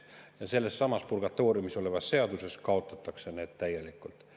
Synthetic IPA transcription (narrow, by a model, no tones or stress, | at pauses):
jɑse̞lːe̞sːɑmɑspurɡ̥ɑt̪ːˑo̞ːɾjumiso̞le̞vɑsːe̞ɑd̪use̞skɑo̞t̪ːˑɑt̪ːˑɑkse̞ne̞ːd̪̥t̪æje̞likːˑult̪ˑ